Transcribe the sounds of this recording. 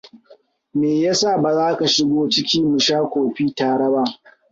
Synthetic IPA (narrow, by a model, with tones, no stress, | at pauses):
meː˨ja˦sa˦˨ba˨zaː˦ka˨ʃɪ˦ɡʷoː˦t͡ʃɪ˦kʲiː˦mʊ˨ʃaː˦kʷoː˨ɸiː˦taː˨ɽɐ˦ba˦ʔ